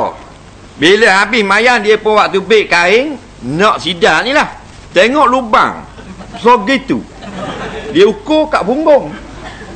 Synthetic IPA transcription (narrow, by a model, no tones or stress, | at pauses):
beləɦabɪsmajandiəpəwaʔt̪ubeʔkaɪŋ | nɔʔsidaʔnilah | t̪ɛŋɔʔluba̰ŋ | soɡit̪ṵ | diəukokaʔpuŋɡɔŋ